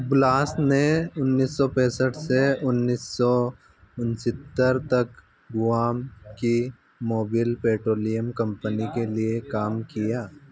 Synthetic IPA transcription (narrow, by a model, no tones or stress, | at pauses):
blaːsneʊnːiːsːɔpɛ̃ːsəʈseʊnːiːsːɔ | ʊnsɪt̪ːəɾt̪ɐk | ɡʊaːmki | moːbɪlpeːʈɾoːlijəmkɐ̃mpənikeliekaːmkijaː